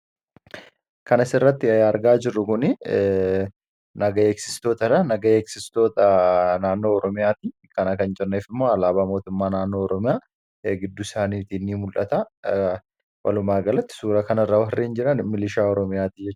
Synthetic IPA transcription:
kɐnɐsɪrːɐt̪ːɪɐɾɡaːd͡ʒɪrːʊkʊnɪ | nɐɡɐeːksɪ̥st̪o̞ːt̪ɐɾɐnɐɡɐeːksɪst̪o̞ːt̪ɐnaːnːo̞ːɔɾɔmɪjaːt̪iː | kɐnɐkɐnt͡ʃʼɛrneːfɪmːo̞ːɐlaːbaːmo̞ːt̪ʊmːaːnaːnːo̞ːɔɾɔmɪjaː | ɡɪd̪ːʊɪsaːniːt̪inːiːmʊlʔɐt̪ɐ | wɐ̰lʊmaːɡɐlɐt̪ːɪ̥suːɾɐkɐnɐrːɐwɐrːeːnd͡ʒɪɾɐnmɪlɪʃaːɔɾɔmɪjaːt̪iːd͡ʒɛt͡ʃː

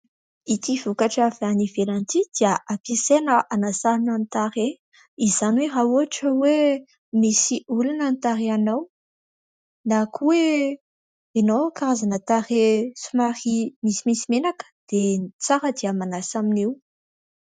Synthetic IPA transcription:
it̪ivukaʈ͡ʂavanivelant̪id̪̥iəʔapisenəʔanasaɾinant̪aɾe | izanwerauaʈ͡ʂəwe | misiʔulanənt̪aɾianaw | nakʰuwe | enokaɾazanat̪aɾesumaɾimisimisimenakə̥d̪̥et͡saɾəd̪iəmanasaminew

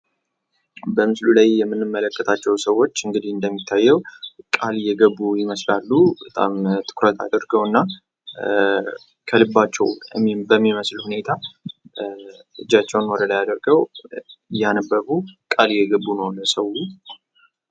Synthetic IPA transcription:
bəmɨslulajːɛmːɨnːɨmːələkʼːət̪ʰat͡ʃːɛwsəwːo̞t͡ʃːɨŋɡɨd̪ihɨnd̪əmːit̪ʰːajːɛwkʼaljɛɡəbːujɪməslalːubət̪ʼa̰mt̪ʰɨ̥kʰɾət̪ʰa̰d̪əɾɡəwɨnːa | kʰəlɨbːat͡ʃːɛwmbəmːiməslhune̞t̪ʰa | ɨd͡ʒːat͡ʃːɛwnwɔd̪əlajad̪əɾɡəw | janəbːəbukʼaljɛɡəbːunəwnəsəwu

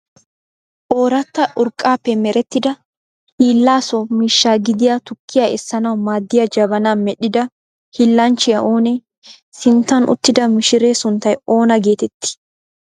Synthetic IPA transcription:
ʔoːɾɐt̪ːɐʔʊɾkʼːaːpːɛmɛɾɛt̪ːɪd̪ɐ | hiːlːaːsɔmiːʃːaːɡɪd̪ɪjaːt̪ʊkːɪjaɛsːɐnɐwmaːd̪ːɪjɐd͡ʒɐbɐnaːnmɛɗɪd̪ɐ | hilːɐnt͡ʃːɪjɐʔoːnɛ | sɪnt̪ːɐnʔʊ̰t̪ːɪd̪ɐmɪʃɪɾe̞ːsʊnt̪ːɐjo̞ːnɐɡe̞ːt̪ɛt̪ːɪ̥

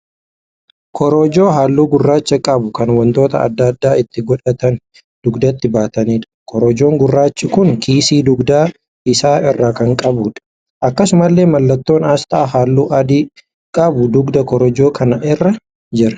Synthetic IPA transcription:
kʰɔɾoːd͡ʒo̞ːɦaːlːuːɡʊrːaːt͡ʃːɐkʼɐbʊkɐnwɐnt̪o̞ːt̪ɐ̰ɐ̰d̪ːɐd̪ːaːɪt̪ːɪɡɔᶑɐt̪ɐn | d̪̥ʊɡd̪ɐt̪ːɪbaːt̪ɐniːᶑɐ̥kʰɔɾɔd͡ʒo̞ːŋɡʊrːaːt͡ʃːɪkʊŋkʰiːsiːd̪ʊɡd̪aː | ɪsaːɪrːaːkɐŋkʼɐbuːᶑɐ̥ | ʔɐkːɐsʊmɐlːe̞ːmɐlːɐt̪ːo̞ːnaːst̪ʼaːɦaːlːuːʔɐd̪iː | kʼɐbʊd̪ʊɡd̪ɐkɔɾɔd͡ʒo̞ːkʰɐnɐʔɪrːɐ | d͡ʒɪɾɐ̥

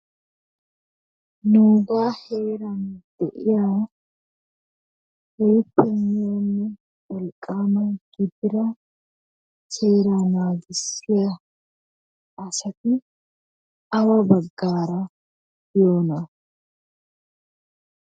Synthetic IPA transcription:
nuːɡaːhe̞ːɾɐnd̪̥ɛʔɪjaː | hɛjpːɛnːɪjonːɛ | wɔlkʼːaːmɐnɡ̥ɪd̪ɪɾɐ | seːɾanaːɡɪsːɪjɐ | ɐsɐt̪ɪ | ɐwɐbɐɡːaːɾɐ | joːnɐ

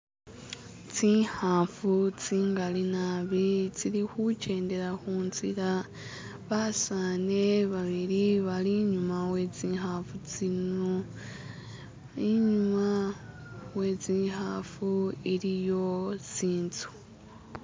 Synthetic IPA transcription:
t͡siːhaːfut͡siːŋɡalinaβit͡siɾixuce̞ːnde̞ɾaxuːnzḭɾa | βasane̞βaβiɾiβaliɲumawe̞t͡siːɦaːfut͡sinu | iɲuma | we̞t͡siːhaːfuiɾijo̞t͡siːnt͡su̥

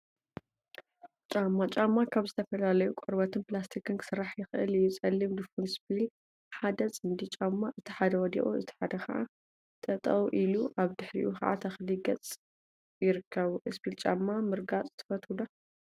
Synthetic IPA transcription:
t͡ʃʼamːat͡ʃʼamːakʰaβzɨt̪ʰɐfɐlalɐjukʼɔɾbɐt̪ʰɨnplast̪ʰikɨnkʰɨ̥sɨɾːaħjɪxʔɨ̰ljɪt͡sʼɐlːimd̪ɨfunspʰil | ħad̪ɐt͡sʼɨnd̪it͡ʃʼamːaʔɨt̪ʰi̥ħad̪ɐwɔd̪ḭʔʼuɨt̪ʰi̥ħad̪ɐxɐ̰ʔa | t̪ʰɐt̪ʼɐwʔiluʔaβd̪ɨħɾḭʔuxɐ̰ʔa̰t̪ʰɐxliɡɐt͡sʼ | jɪɾɨkʰːɐβuʔɨspilt͡ʃʼamːamɨɾɡat͡sʼzɨt̪ʰɨ̥fɐt̪ula

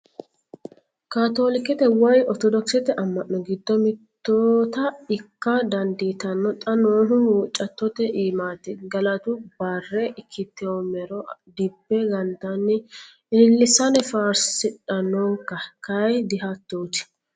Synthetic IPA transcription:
kaːt̪oːlɪkːɛt̪ɛwɐjɔt̪ɔd̪ɔksɛt̪ɛʔɐmːɐʔːɔɡɪd̪ːɔmɪt̪ːoːt̪ɐɪkːɐd̪ɐnd̪iːt̪ɐnːɔt̪ʼɐnoːɦʊuːt͡ʃʼːɐt̪ːɔt̪ɛʔiːmaːt̪ːɪɡɐlɐt̪ʊb̥ɐrːɛʔɪkʰːɪt̪ːɛwɔmɛɾɔd̪ɪbːɛɡɐnd̪ɐnːɪ | ɪlːɪsɐnɛfaːɾsɪᶑɐnːɔŋkɐkɐjd̪ɪɦɐt̪ːoːt̪ɪ̥

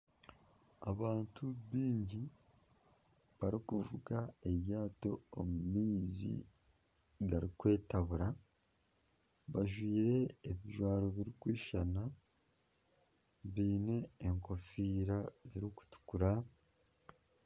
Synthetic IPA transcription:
aβaːntʰuβiːɲɟi | βaɾikuvuɡae̞βjaːto̞ːmumiːzḭ | ɡaɾikwe̞ːtaβuɾa | βaʒwiːɾe̞ːβiʒwaːɾo̞βiɾikwiːʃana | βiːne̞ːŋko̞fiːɾaziɾiku̥tu̥kuɾa

